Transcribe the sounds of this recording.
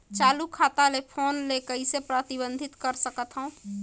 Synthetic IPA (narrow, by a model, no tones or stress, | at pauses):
t͡ʃaːlukʰaːt̪alepʰoːnlekəɪsepɾət̪ɪbə̃nd̪ʱɪt̪kəɾsəkət̪ɦəũ